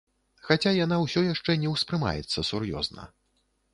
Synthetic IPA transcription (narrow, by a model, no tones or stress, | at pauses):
xat͡sʲajan̪awsʲɔjaʂt͡ʂɛnʲɛwspɾɨma̰jɛ̰t̪sːɐsurjɔ̰znɐ̰